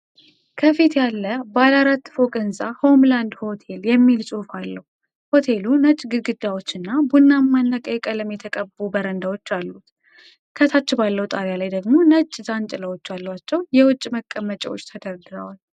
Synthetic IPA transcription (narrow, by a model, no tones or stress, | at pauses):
kʰəfit̪jalːəbalaɾat̪ːfo̞kʼɨnsʼaho̞mland̪ho̞t̪ʰe̞ljɛmːilsʼuhfalːəhu | ho̞t̪ʰe̞lunət͡ʃʼːɡɨɡɨd̪ːawo̞t͡ʃːɨnːabunːamːanːəkʼəjɛkʼələmjɛt̪ʰəkʼəbubəɾənd̪awot͡ʃːalːut̪ | kʰət̪ʰat͡ʃːɛbalːəwut̪ʼaɾjalajd̪əɡmo̞nət͡ʃʼːzant͡ʃʼləwot͡ʃːalːwat͡ʃːɛwjɛwʊt͡ʃʼːməkʼːəmːət͡ʃʼɛwo̰t͡ʃːt̪ʰəd̪əɾɡɨɾə̰wal